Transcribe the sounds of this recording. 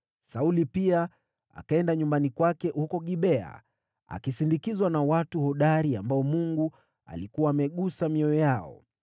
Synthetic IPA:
saulipia | a̰kaɛndaɲumbanikwakɛhukɔɠiɓɛa̰ | a̰kisindikizwanawatuhɔɗaɾiambaɔmuŋɡu | a̰likuwaːmɛɠusamiɔjɔjaɔ̰

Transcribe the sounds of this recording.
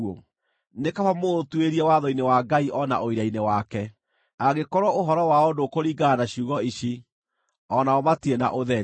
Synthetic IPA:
o | nekaβamotweɾiɛwaðɔinewaɡaiʔɔna̰ʔoiɾainewakɛ | aɣekɔɾwɔoɦɔɾɔwaodokoɾiːɡaːnaɕiuɣɔiɕi | ɔnaɔmatiena̰ʔoðɛ

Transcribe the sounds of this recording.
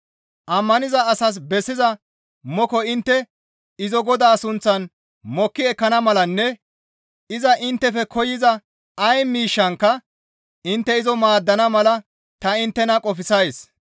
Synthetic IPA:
ʔɐmːɐnɪzɐːsɐs̬bɛsːɪzɐ | mɔkɔɪnt̪ːɛ | ɪzɔɡɔd̪aːsʊnt͡sːɐn | mɔkːɪɛkːɐnɐmɐlɐnːɛ | ɪzɐʔɪnt̪ːɛfɛkʰɔjɪzɐ | ɐjmiːʃːɐŋkːɐ | ɪnt̪ːɛɪzɔmaːd̪ːɐnɐmɐlɐ | t̪ɐɪnt̪ːɛnɐkʼɔfɪsɐjs

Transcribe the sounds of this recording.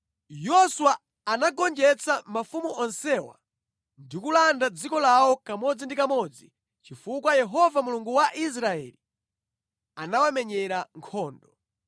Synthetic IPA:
jɔswa | anaɡɔnd͡ʒɛt͡samafumuʔɔnsɛwa̰ | ndikulandad͡zikɔlawɔkamɔd͡zindikamɔd͡zi | t͡ʃifukwajɛɦɔvamuluŋɡuwaʔis̬ɾaɛ̰li | anawamɛɲɛɾaŋkʰɔːndɔ

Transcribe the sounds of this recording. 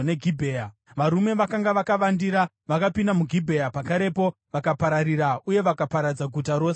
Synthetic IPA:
ne̞ɡʱibʱeːja | ʋaɾume̞ʋakaŋɡaʋakaʋandiɾa | ʋakapindamuɡʱibʱejapakaɾe̞po̞ | ʋakapaɾaɾiɾauje̞ʋakapaɾad͡zaɡʱutaɾo̞ːs

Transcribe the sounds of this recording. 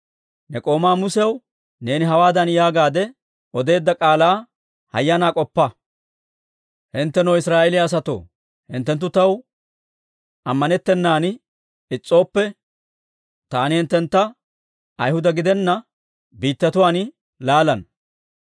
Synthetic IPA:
nɛkʼo̞ːmaːmʊsɛɐw | ne̞ːnɪɦɐwaːd̪ɐnjaːɡaːd̪ɛ | ɔd̪e̞ːd̪ːɐkʼaːlaː | hɐ̰jːɐnaːkʼɔpːɐ | hɪnt̪ːɛnɐwɪsɾaːʔɛlɪaːs̬ɐt̪o̞̰ː | hɪ̰nt̪ːɛnt̪̬ːʊt̪ɐw | ɐmːɐnɛt̪ːɛnːaːn | ɪt͡sʼːo̞ːpːɛ | t̪aːnɪhɪnt̪ːɛnt̪ːɐ | ʔɐjhʊd̪ɐɡɪd̪ɛnːɐ | biːt̪ːɐt̪ʊwaːn | laːlɐn

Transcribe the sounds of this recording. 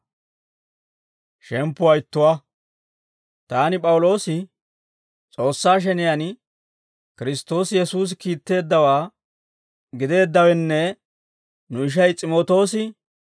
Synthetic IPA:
ʃɛmpːʊɐjɪt̪ːʊwɐ | t̪aːnɪpʼɐwʊlo̞ːsɪ | t͡sʼo̞ːsːaːʃ̬ɛnɪjan | kɪɾɪst̪ːo̞ːsɪjɛsuːs̬ɪkiːt̪ːe̞ːd̪ːɐwaː | ɡɪd̪e̞ːd̪ːɐwɛnːɛ | nʊɪʃ̬ɐjt͡sʼɪmoːt̪o̞ːsɪ

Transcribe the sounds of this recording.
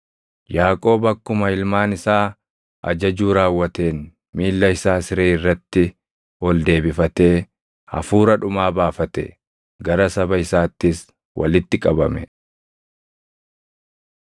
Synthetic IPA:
jaːkʼo̞ːbɐkːʊmɐɪlmaːnɪsaː | ʔɐ̰d͡ʒɐd͡ʒuːɾaːwːɐt̪e̞ːn | miːlːɐɪsaːsɪɾeːɪrːɐt̪ːɪ | ɔld̪e̞ːbɪfɐt̪e̞ː | hɐ̰fuːɾɐᶑʊmaːbaːfɐt̪ɛ̰ | ɡɐɾɐsɐbɐɪsaːt̪ːɪs | wʔɐ̰lɪt̪ːɪkʼɐbɐmɛ

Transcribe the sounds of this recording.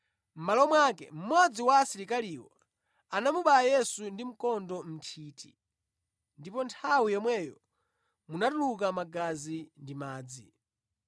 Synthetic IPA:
m̩malɔmwakɛ̰m̩mwad͡ziwaːsiɾikaliwɔ̰ | anamuɓajɛsundim̩kɔndɔm̩tʰiːtḭ | ndipɔntʰawijɔmwɛjɔ | munatuluk̬amaɡazindimaːd͡zi

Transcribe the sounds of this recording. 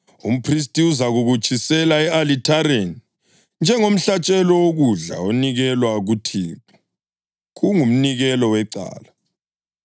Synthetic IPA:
um̩pʰris̬tʼiuzaɣuɣut͡ʃʼisɛlaɛalitʰaɾeni | nd͡ʒʱɛŋom̩ɬat͡ʃʼɛlɔwoɣuɮa̰oniɣɛlwaɣutʰi̥ː | ɣuŋum̩niɣɛlɔwɛǀa̰ːla

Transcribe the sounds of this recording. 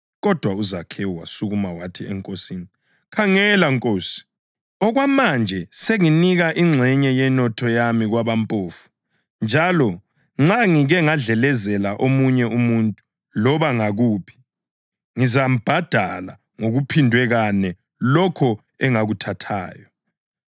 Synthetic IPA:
ɣɔd̥ʱwauzakʰɛwwasuɣumawatʰiɛ̰ŋkʼosini | kʰaŋɛlaŋkʼoːsi̥ | ɔɣwamand͡ʒʱɛseŋiniɣaʔiŋ͡ǁʱɛɲɛjɛnɔtʰɔjamiɣwaβampʼoːfu̥ | nd͡ʒʱalɔ | ŋ͡ǁaŋiɣɛŋaɮɛlɛzɛlaʔomuɲɛumuntʼu | lɔβaŋaɣuːpʰi̥ | ŋizam̩b̥ʱad̥ʱala̰ | ŋoɣupʰindʱwɛɣanɛ | lɔkʰɔ | ɛŋaɣutʰatʰa̰ːjɔ

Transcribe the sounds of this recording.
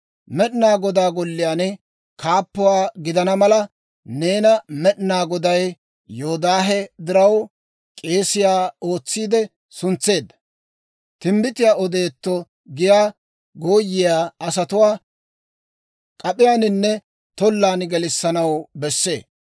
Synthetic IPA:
mɛɗnaːɡɔd̪aːɡɔlːɪjaːnɪ | kʰaːpːʊwaːɡɪd̪ɐnɐmɐlɐ | ne̞ːnɐmɛɗnaːɡɔd̪ɐj | joɔd̪aːɦɛd̪ɪɾɐw | kʼe̞ːsɪjaːoːt͡sːiːd̪ɛ | sʊnt͡sːe̞ːd̪ːɐ̥ | t̪ɪmbɪt̪ɪjaːʔɔd̪e̞ːt̪ːɔ | ɡɪjaː | ɡoːjːɪjaːɐs̬ɐt̪ʊwaː | kʼɐpʼɪjaːnɪnːɛ | t̪ɔlːaːnɡɛlɪsːɐnɐwbɛsːe̞̰ː

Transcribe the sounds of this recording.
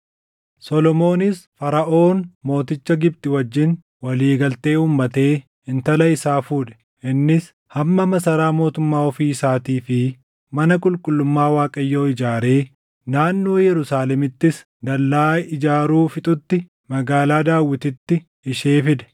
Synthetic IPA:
sɔlɔmo̞ːnɪsfɐɾɐʔo̞ːnmo̞ːt̪ɪt͡ʃːɐɡɪb̚t̪ɪwɐd͡ʒːɪn | wɐliːɡɐlt̪e̞ːuːmːɐt̪e̞ː | ɪnt̪ɐlɐɪsaːfuːᶑɛ̥ | ʔɪnːɪs | hɐmːɐmɐsɐɾaːmo̞ːt̪ʊmːaːɔfiːsaːt̪iːfɪ | mɐnɐkʼʊlkʼʊlːʊmːaːwaːkʼɐjːo̞ːɪd͡ʒaːɾe̞ː | naːnːo̞ːjɛɾʊsaːlɛmɪt̪ːɪs | d̪ɐlːaːɪd͡ʒaːɾuːfɪt̪ʼʊt̪ːɪ | mɐɡaːlaːd̪aːwːɪt̪ɪt̪ːɪ | ɪʃeːfɪd̪ɛ̥

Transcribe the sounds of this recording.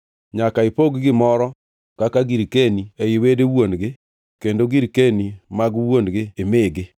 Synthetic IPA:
ɲakaɪpoɡɡɪmɔɾɔ | kakaɡiɾkeniɛɪwedewonɡɪ | kendoɡiɾkenimaɡwonɡɪːmɪɡɪ

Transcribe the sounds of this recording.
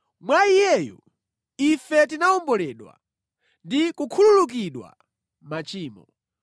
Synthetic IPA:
mwaijɛjɔ̰ | ifɛtinaɔmbɔlɛɗwa̰ | ndikukʰululuk̬iɗwa̰ | mat͡ʃiːmɔ

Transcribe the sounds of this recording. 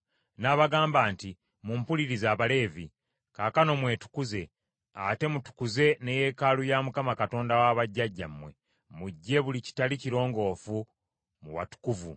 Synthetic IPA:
naβaɡaːmbaːnti | mumpuliɾizaːβale̞ːvi | kakano̞mwe̞ːtu̥kuze̞ | a̰te̞mutu̥kuze̞ne̞je̞kalujamukamakato̞ːndawaːβaɟːaɟːamːwe̞ | muɟːe̞βulici̥taliciɾo̞ːŋɡo̞ːfu | muwa̰tu̥kuvu

